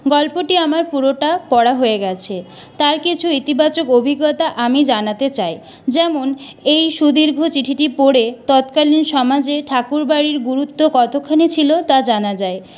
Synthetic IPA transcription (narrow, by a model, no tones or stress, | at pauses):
ɡɔlpoʈiamaɾpuɾoʈapɔɽaɦoeɡɛt͡ɕʰe | t̪aɾkit͡ɕʰuit̪ibat͡ɕokobʱiɡːot̪aʔamid͡ʑanat̪et͡ɕaj | d͡ʑɛmon | ejʃud̪iɾɡʱot͡ɕiʈʰiʈipoɽet̪ɔt̪kalinʃɔmad͡ʑeʈʰakuɾbaɾiɾɡuɾut̪ːokɔt̪ʰokʰːanit͡ɕʰilot̪ad͡ʑanad͡ʑae